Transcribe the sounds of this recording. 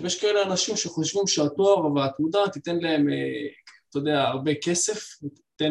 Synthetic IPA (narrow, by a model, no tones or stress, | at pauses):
jeʃkaeleanaʃimʃeχoʃvimʃeat̪oaʁveat̪mud̪at̪it̪e̞nlae̞meat̪ood̪eaːʁbe̞ke̞se̞fe | t̪e